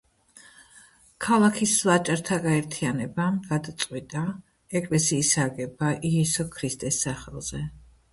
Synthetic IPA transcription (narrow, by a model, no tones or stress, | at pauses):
kʰalˠakʰislˠat͡ʃʼɾt̪ʰaɡaɛɾt̪ʰianɛbamɡad̪at̪sʼqʼwit̪ʼa | ɛkʼlɛsiːsaɡɛbaʔiɛsɔkʰɾist̪ʼɛsːaχɛlˠz̥ɛ